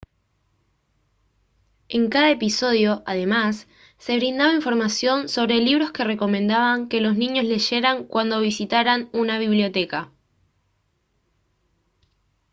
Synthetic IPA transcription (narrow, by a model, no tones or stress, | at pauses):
e̞ŋkaðaepiso̞ðjo̞ʔað̞e̞masː | e̞βɾind̪aβaiɱfo̞ɾmasjo̞nso̞βɾe̞liβɾo̞ske̞re̞ko̞mẽ̞nd̪aβaŋke̞lo̞snĩɲo̞zle̞ʃe̞ɾaŋkwʔand̪o̞βisit̪aɾanunaβiβljo̞t̪e̞ka